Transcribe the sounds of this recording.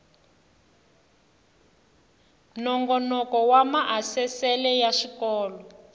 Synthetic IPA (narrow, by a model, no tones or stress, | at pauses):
nɔŋɡɔnɔkɔwamaʔasɛsɛlɛjaʃikɔːlɔ